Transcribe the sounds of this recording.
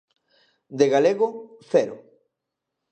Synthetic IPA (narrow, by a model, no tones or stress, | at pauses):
d̪eɣaleɣoθɛɾo